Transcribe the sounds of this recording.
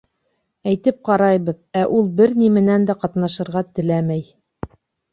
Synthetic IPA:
æjt̪ɘp̚qɑɾɑjβɤðæʔulˠbɘɾnimɘ̆nænd̪æqɑt̪nɑʃɤ̆ɾʁɑt̪ɘ̆læmæj

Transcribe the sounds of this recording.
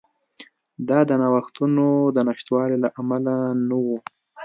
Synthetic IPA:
d̪ɑd̪ənɑwaxt̪unod̪ənaʃt̪wɑlelaʔamalanawu

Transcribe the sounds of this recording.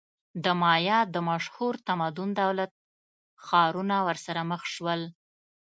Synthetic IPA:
d̪əmɑjɑd̪əmaʃhuɾt̪amad̪ʊnd̪awlat̪̚ | xɑɾunawəɾsaɾaməxʃwəl

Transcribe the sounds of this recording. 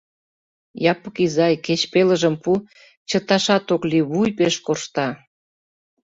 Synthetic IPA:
jɑpəkizɑjket͡ɕpeləʒə̆mpu | t͡ɕət̪ɑʃɑt̪okliβujpeʃkorʃt̪ɑ

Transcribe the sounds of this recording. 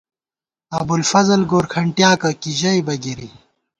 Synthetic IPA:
ɐbulfɐzɐlɡoːɾkʰɐɳʈjaːkɐkiʑɐibɐɡiɾi

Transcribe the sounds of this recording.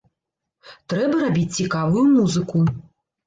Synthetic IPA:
t̪ɾɛbɐɾabʲit͡sʲt͡sʲikavɨjumuzɨku

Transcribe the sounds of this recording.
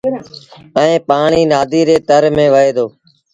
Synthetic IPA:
ə̃ẽːpaːɳiːnaːd̪ʱiːɾeːt̪əɾmẽːʋəɦeːd̪oː

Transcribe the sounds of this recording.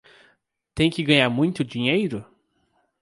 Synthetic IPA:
t̪ẽj̃kɪɡɐ̃ɲ̃aɾmũj̃t̪ʊd͡ʒĩɲejɾʊ

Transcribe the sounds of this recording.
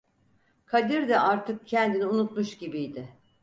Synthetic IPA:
kʰad̪iɾd̪ɛʔaɾt̪ʰɯk̚cʰɛnd̪iniunut̪muʃɟibijd̪ɪ

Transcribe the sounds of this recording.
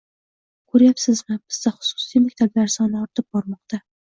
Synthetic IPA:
kʰɵɾjapsɪzmɪb̥ɪz̥d̪aχʊ̥sʊ̥sijmakʲt̪ʰablaɾsɒnɪɒɾt̪ʰɪp̚bɒɾmɒqt̪a

